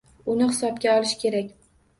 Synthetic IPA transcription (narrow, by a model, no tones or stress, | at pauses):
ʊnɪhɪsɒp̚kʲaɒlˠɪʃkʲʰe̞ɾakʲ